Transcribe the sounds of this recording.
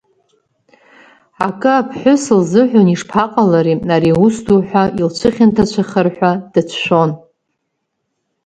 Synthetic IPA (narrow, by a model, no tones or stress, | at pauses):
akʼɨapʰħʷʊsɨlzɨħᶣʷoniʂpʰaqʼalaɾiaɾiusduħʷᶣailt͡ʃʷʰɨχʲɪntʰat͡ɕʷʰaχərħʷad̥ɨt͡ʃʷʰʃʷᶣo̞n